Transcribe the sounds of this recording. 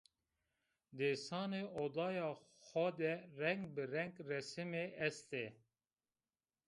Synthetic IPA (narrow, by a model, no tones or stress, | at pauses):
d̪eːsɑːneoːd̪ɑːjɑː | xʷɔd̪ɛrɛŋɡbɨɾɛŋɡrɛsɨmeːʔɛst̪e